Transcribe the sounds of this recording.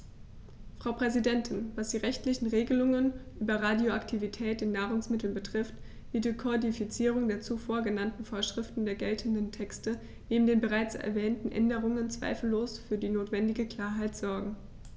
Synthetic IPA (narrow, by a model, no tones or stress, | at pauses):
fʁ̥aʊpʁ̥ɛzidɛntʰɪnvasd̥iːʁɛçtlɪçn̩ʁeːɡəlʊŋənʔyːbɐʁaːdjoaktʰivitʰɛːtɪnːaːʁʊŋsmɪtl̩nbətʁ̥ɪft | v̥idikʰodifit͡siːʁ̞ʊŋdeːɐt͡sufoːɐɡənantn̩foːɐʃʁ̥ɪftn̩deːɐɡɛltʰən̩dəntʰɛkstə | neːbm̩deːnbəʁaɪt͡sɛ̰ɐvɛːntn̩ʔɛ̰ndəʁ̞ʊŋənt͡sv̥a̰ɪfl̩ːoːsfyːɐdiːnoːtv̥ɛndɪɡəkl̥aːɐɦaɪtz̥ɔɐɡŋ̩